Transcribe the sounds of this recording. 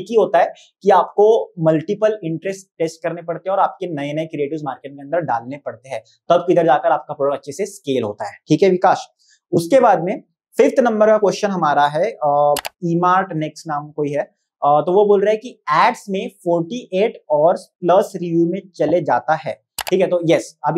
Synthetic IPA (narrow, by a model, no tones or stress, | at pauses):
t̪iɦoːt̪aɦɛː | kiaːp̚komɐlʈɪpəlɪ̃ɳʈɾɛsʈʈeːsʈ̚kɐɾnepɐɽt̪eɦɛ̃ɔːɾaːp̚kenɐenɐekɾieːʈɪʋzmaːɾkeːʈŋkeɐ̃ndəɾɖa̰ːlnepɐɽt̪eɦɛ̃ː | t̪ɐbkiɪd̪əɾd͡ʒaːkəɾaːp̚kapoːɽəɾɐtːʃʰeseskeːlɦoːt̪aɦɛːʈʰiːkɦɛʋɪkaːʃ | ʊskebaːd̪mẽ | fɪft̪nɐ̃mbəɾkakwɛsʃənɦɐmaːɾaɦɛ | iːmaːɾʈnɛksʈnaːmkoːiɦɛː | t̪oʋoboːlɾaɦɛkiɛːɖsmẽfɔːɾʈiʔeːʈɔːɾsplɐsɾɪʋjumẽt͡ʃɐled͡ʒaːt̪aɦɛ̰ː | ʈʰiːkɦɛt̪ojɛsɐbʱ